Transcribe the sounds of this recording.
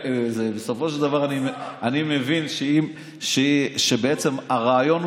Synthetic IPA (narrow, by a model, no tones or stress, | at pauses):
zebesofoʃeled̪avaʁanimanimevinʃeim | ʃeʃebeet͡semaʁaːjon